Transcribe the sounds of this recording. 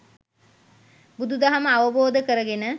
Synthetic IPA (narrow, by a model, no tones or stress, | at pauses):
bud̪ud̪aɦaməaʋəboːd̪əkəɾəɡenə